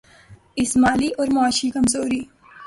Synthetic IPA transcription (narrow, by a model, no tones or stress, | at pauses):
ɪsmaːliʔɔːɾmaːʃikɐmzoːɾiː